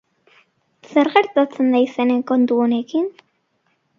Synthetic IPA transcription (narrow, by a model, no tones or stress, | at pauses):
seɾɣeɾt̪at͡se̞nd̪ajseneŋko̞nt̪uone̞kin